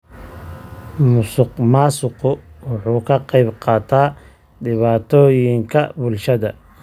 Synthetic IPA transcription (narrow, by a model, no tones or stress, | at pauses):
mʊsʊqmaːsʊqʊwʊħuːkʰɐqɑjbqɑːt̪ʰaː | ɖɪβaːt̪ʰɔːjɪŋkʰɐbʊlʃɐðɐ